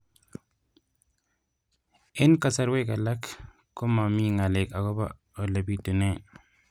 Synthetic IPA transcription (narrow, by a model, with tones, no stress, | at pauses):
ɪ˦nka˨sa˨ɾwe˦ka˨la˦kː | o˦ma˨mi˦ŋa˨lɪ˨ka˨kɔ˦ba̰ | ɔ˨la˨bi˦tu˨ne˦˨